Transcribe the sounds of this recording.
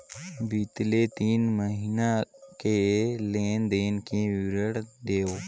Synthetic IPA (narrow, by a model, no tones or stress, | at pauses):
bit̪let̪iːnməɦiːnakeleːnd̪eːnkẽʋɪɾəɽd̪eːoː